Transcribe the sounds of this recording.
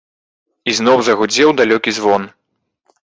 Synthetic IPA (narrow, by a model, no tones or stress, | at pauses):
iznɔwzɐɣud͡zʲɛwd̪alʲɔkʲizvɔn